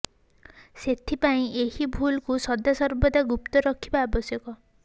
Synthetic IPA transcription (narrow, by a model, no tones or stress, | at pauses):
set̪ʰipaĩehibʱulkusɔd̪asɔɾbɔd̪aɡupt̪ɔɾɔkʰibaːbɔsjɔkɔ